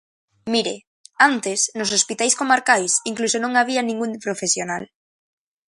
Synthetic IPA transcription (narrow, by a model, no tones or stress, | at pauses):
miɾe | ant̪esnosospit̪ajskomaɾkajsiŋklusonõŋaβ̞ianĩŋɡunpɾofesjonal